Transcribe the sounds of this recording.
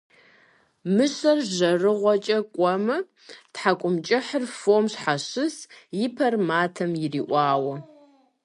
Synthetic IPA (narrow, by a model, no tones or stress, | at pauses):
mɨɕɐrʒɐrɨʁʷɔt͡ʃʼɐkʷʼɔmɐ | tħakʷʼʊmt͡ʃʼɪħərfomɕħaɕɨsjɪpʰɐrmaːtʰɐmjɪriːʔʷɑːwɐ